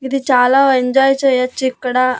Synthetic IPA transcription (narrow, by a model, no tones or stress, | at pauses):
id̪it͡ʃaːlaːeɲd͡ʒaːjt͡ʃejɐt͡ʃːikːɐɽa